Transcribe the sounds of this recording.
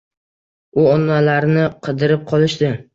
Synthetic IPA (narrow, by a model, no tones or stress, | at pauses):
ʊɒnːalaɾnɪqʰɨd̪ɪɾɪp̚qʰɒlˠɪʃd̪ɪ